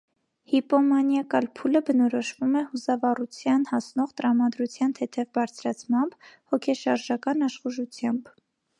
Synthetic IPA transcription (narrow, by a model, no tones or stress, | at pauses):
hipɔmɑnjɑkɑlpʰuləbənɔɾɔʃvumɛhusɑvɑrut͡sʰjɑnhɑsnɔʁt̪əɾɑmɑd̪ɾut͡sʰjɑnt̪ʰɛt̪ʰɛvbɑɾt͡sʰɾɑt͡sʰmɑmb̥hɔkʰɛʃɑɾʒɑkɑnɑʃχuʒut͡sʰjɑmb